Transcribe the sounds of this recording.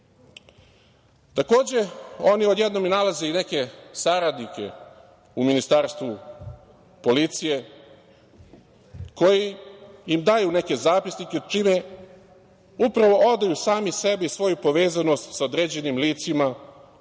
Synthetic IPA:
t̪ako̞ːd͡ʑe̞o̞niod̪je̞d̪no̞minalaze̞ine̞ke̞saɾad̪nike̞̰ | uminist̪aːɾst̪ʋu | po̞lit̪sije̞ | ko̞jiimd̪ajune̞ke̞zaːpisniked̪t͡ʃime | upɾaʋo̞ʔod̪ajusaːmise̞biisʋo̞jupo̞ʋe̞ːzano̞st̪saod̪ɾeːd͡ʑe̞nimliːt̪sima

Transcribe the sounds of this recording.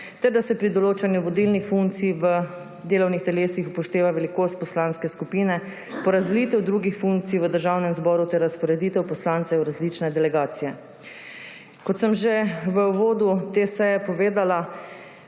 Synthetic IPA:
t̪ɛɾd̪asɛpɾid̪ɔloːt͡ʃanjuʋɔd̪ilnixfuŋk̚tsiʋə | d̪eːlɔwnixt̪ɛleːsixupɔʃt̪eːʋaʋɛlikoːst̪̚pɔslanskɛskupiːnɛ | pɔɾazd̪lit̪ɛwd̪ɾuːɡixfuŋk̚t̪siʋəd̪əɾʒawnɛmzbɔːɾut̪ɛɾːaspɔɾɛd̪it̪ɛwpɔslaːnt̪sɛwɾazlit͡ʃnɛd̪ɛlɛɡaːt̪sijɛ | kɔt̪səmʒeʋəʋoːd̪ut̪esɛjɛpɔʋeːd̪ala

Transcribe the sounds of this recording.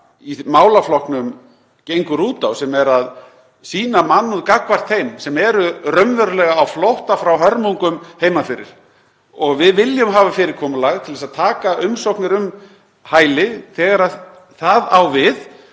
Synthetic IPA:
imaːwlaflɔhknʏm | cejŋkʏɾuːt̪awsɛmɛɾað | siːnamanːuðkakvar̥t̪hejmsɛmɛɾʏrœmvœɾʏlɛɣaːwflowht̪afɾawɦœɾmuŋkʏmheːjmafɪɾɪ̰ɾ̥ | ɔɣvɪðvɪljʏmɦaːvafɪːɾɪɾkʰɔːmʏlaɣt̪ʰɪlvɛsaðt̪ʰaːkaʔʏmsowhknɪɾʏm | haːjlɪθɛːɣaɾa | θaðawvɪð

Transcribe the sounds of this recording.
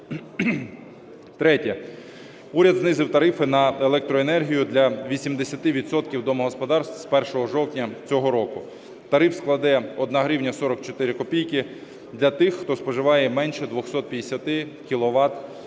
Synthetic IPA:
t̪ɾɛtʲɛ | uɾʲɐd̪znɪzɪwt̪ɐɾɪfɪnɐelˠɛk̚t̪ɾɔenɛrɦʲijʊd̪lʲɐʋʲisʲimd̪esʲɐt̪ɪʋʲit̪sɔt̪kʲiwd̪ɔmɐɦɔspɔd̪ɑrst̪spɛrʃɔɦɔʒɔwtʲnʲɐt͡sʲɔɦɔɾɔkʊ | t̪ɐɾɪfsklˠɐd̪ɛɔd̪nɐɦɾiwnʲɐsɔɾɔkt͡ʃɔt̪ɪɾɪkɔpʲijkɪ | d̪lʲɐt̪ɪxːt̪ɔspɔʒɪʋɑjɛmɛnʃɛd̪ʋɔxsɔt̪̚pʲjɐd̪esʲɐt̪ɪkʲilˠɔʋɑt̪

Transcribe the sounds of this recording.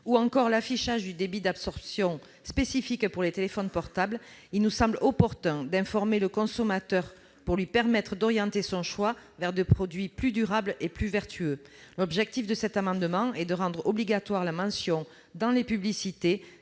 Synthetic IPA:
uɑ̃kɔʁlafiʃaʒd̪yd̪ebid̪absɔʁpsjɔ̃ | spesifikpuʁlet̪elefɔnpɔʁt̪ablilnusɑ̃blɔpɔʁt̪ɛ̃d̪ɛ̃fɔʁmeləkɔ̃sɔmat̪œʁ | puʁlɥipɛʁmɛt̪χəd̪ɔʁjɑ̃t̪esɔ̃ʃwavɛʁd̪epχɔd̪ɥiplyd̪yʁableplyvɛʁt̪ʰyølɔbʒɛk̚t̪ifd̪əsɛt̪amɑ̃d̪əmɑ̃ɛd̪əʁɑ̃d̪ʁɔbliɡat̪waʁlamɑ̃sjɔ̃ | d̪ɑ̃lepyblisit̪e

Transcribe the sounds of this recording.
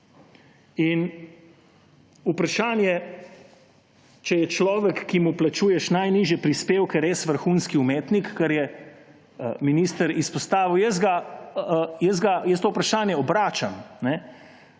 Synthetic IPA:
in | upɾaʃaːnjɛ | t͡ʃɛjɛt͡ʃlɔːʋɛkːimuplat͡ʃuːjɛʃnajniːʒjɛpɾispeːwkɛɾeːsʋəɾxunskiumeːt̪nikːɛɾjɛ | miniːst̪əɾispɔst̪aːʋiwjɛs̬ɡa | jəz̬ɡajəst̪oːupɾaʃaːnjɛɔbɾaːt͡ʃamnɛ

